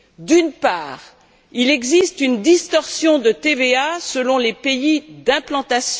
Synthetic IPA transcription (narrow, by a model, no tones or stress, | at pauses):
d̪ynpaːʁ | ilɛɡzist̪ynd̪ist̪ɔʁsjɔ̃d̪ət̪eveasəlɔ̃lepeid̪ɛ̃plɑ̃t̪asj̃